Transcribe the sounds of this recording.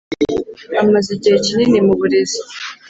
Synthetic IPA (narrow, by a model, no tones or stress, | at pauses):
amaziɟihecininimuβuɾezi̥